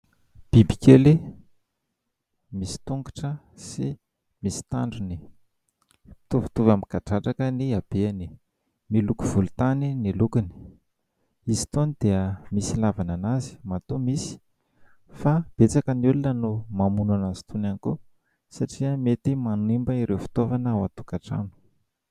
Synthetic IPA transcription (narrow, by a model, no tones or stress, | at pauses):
b̥ibi̥keli | misi̥t̪uŋkḁʈ͡ʂə | si | misi̥t̪a̰ɳɖ͡ʐuni | pi̥t̪uvi̥t̪uvamikaʈ͡ʂaʈ͡ʂakəniab̥eani | milukuv̥ulut̪aninilukini̥ | izi̥t̪onid̪̥eəmisilavananazi̥mat̪umisi̥ | fab̥et͡sakəniulinənumamunanazi̥t̪unaniku | saʈ͡ʂiəmet̪imanimbəiɾʔewfi̥t̪ovanəwat̪u̥kaʈ͡ʂa̰nu̥